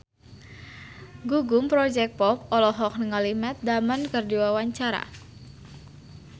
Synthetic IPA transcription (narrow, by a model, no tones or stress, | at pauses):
ɡuɡumpɾɔd͡ʒɛk̚pɔp̚ɔlɔɦɔk̚nəŋalimɛt̪̚damankərdiwawaɲt͡ʃaɾa̰